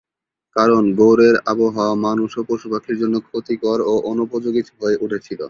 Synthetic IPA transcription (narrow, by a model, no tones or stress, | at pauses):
kaɾonɡowɾeɾaboɦaamanuʃopoʃupakʰːiɾd͡ʑonːokʰot̪ikɔɾoʔonupod͡ʑoɡit̪ɦoeʔuʈʰet͡ɕʰilo̰